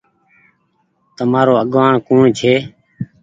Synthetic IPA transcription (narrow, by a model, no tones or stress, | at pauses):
t̪əmaːɾoːəɠʋaːɳkuːɳt͡ʃʰeː